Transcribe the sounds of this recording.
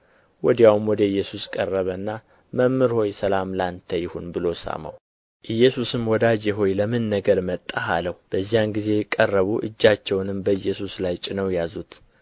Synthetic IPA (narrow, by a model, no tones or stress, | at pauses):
wɔd̪ijawumwɔd̪əɨjːɛsuskʼərːəβənːa | məmːɨɾho̞jsəlamlant̪ʰəjɪhunbɨlo̞sa̰ma̰w | ʔɨjːɛsusɨmwɔd̪ad͡ʒeɦo̞jləmɨnːəɡəɾmət̪ʼːaɦa̰ləhb̥əzːijanɡize̞jkʼːərːəβuʔɨ̰d͡ʒːat͡ʃːɛwnɨmbəjːɛsuslajt͡ʃʼɪnəwjazut̪